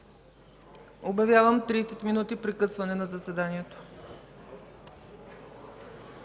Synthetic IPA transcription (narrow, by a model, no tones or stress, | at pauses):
objɐvʲjavəmt̪ɾiːsɛt̪minut̪ipɾikɤsvɐnɛnɐzɐsɛd̪aniɛt̪o̥